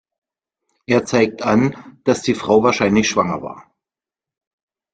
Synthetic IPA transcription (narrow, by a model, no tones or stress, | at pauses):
ʔeːɐt͡saɪk̚tʔand̥asd̥iːfʁ̥aʊvaːɐʃaɪnlɪçʃv̥aŋɐ̰va̰ːɐ